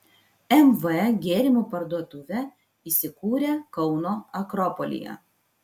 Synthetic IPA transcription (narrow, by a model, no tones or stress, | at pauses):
ɛmʋəɛɡʲeːɾʲɪmupɐɾd̪uɔt̪ʊʋʲɛ | iːsʲɪkuːɾʲeːkɒʊnoːɐkɾɔpɔlʲɪ̰jɛ̰